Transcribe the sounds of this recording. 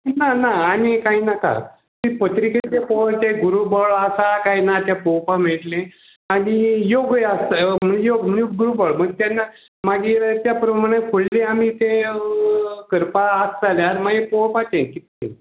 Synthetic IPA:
nanaaɽ̃ikainaka̰ | t̪ipət̪ɾiket̪epoʋt̪ẽɡuɾubəɭasakainat̪japowpam̤eʈlẽ | aɽijoɡjast̪am̤əjoɡməjuɡuɾubəɭm̤əɡ̚t̪janːa | maɡiːɾt̪japɾəmaɽ̃ẽkʰoɭlẽamit̪ẽ | kəɾpaːstaleaɾmaɡipowpat̪ẽkit̪̚ːḛ̃

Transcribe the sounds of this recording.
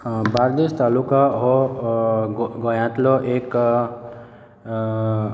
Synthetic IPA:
baɾd̪est̪alukaɦo | ɡɔjãt̪loʔek

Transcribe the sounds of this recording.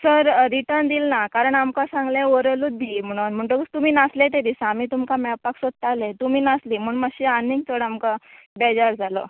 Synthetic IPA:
səɾɾiʈəɾɳd̪ilnakaɾəɳamkãsãŋɡlẽoɾəlut̪̚b̪im̤əɽ̃uːnm̤əɳʈokst̪umiːnaslet̪ed̪isaːmiːt̪umkamɛpaksod̪̚t̪alet̪umiːnasliːm̤uːɳmaɕianiŋɡ̚t̪ʰoɽamkabɛd͡zaɾd͡zʱalo

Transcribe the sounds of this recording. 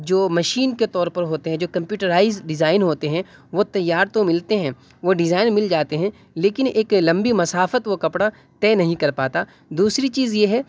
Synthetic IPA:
d͡ʒoːmɐʃiːnket̪ɔːɾpɐɾɦoːt̪eɦɛ̃d͡ʒoːkɐ̃mpjuːʈəɾaːɪzɖɪzaːɪnɦoːt̪eɦɛ̃ʋot̪ɐjːaːɾt̪omɪlt̪eɦɛ̃ː | ʋoɖɪzaːɪnmɪld͡ʒaːt̪eɦɛ̃ | leːkɪneːklɐ̃mbimɐsaːfət̪ʋokɐpɽa | t̪ɛːnɐɦĩkɐɾpaːt̪aː | d̪uːsɾit͡ʃiːzjeɦɛː

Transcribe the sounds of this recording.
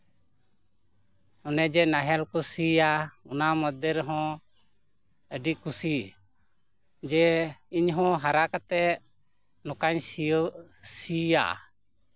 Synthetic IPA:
ɔnɛd͡ʒɛnaɦɛlkusijaunamɔd̪əɾɦɔ̃ | əɖikusi | d͡ʒɛiɲɦɔ̃ɦaɾakat̪ɛ | nɔkaɲ | sija̰ʔ

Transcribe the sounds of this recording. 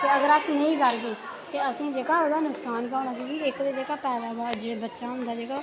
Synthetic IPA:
t̪eːəɡəɾakneĩːkəɾɡeː | k̪eəsĩːd͡ʒeːkaːoːd̪aːnʊksaːnkaːʊñaːkiːɡiːɪkd̪eːd͡ʒeːkaːpɛːd̪aːbaːd͡ʒebətːʃaːɦʊ̃nd̪aːd͡ʒeːkaː

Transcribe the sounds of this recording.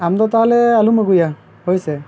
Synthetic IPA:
amt̪ɔt̪aɦalɛalumaɡuja | hojsɛ

